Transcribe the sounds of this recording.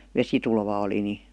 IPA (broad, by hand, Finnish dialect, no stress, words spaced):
ʋesitulʋɑ oli ni